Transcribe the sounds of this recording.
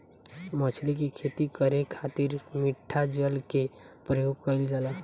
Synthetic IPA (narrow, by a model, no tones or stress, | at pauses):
mət͡ʃʰlikekʰet̪ikəɾekʰat̪iɾmiʈʰːad͡ʒəlke | pɾəjoɡ̚kəld͡ʒala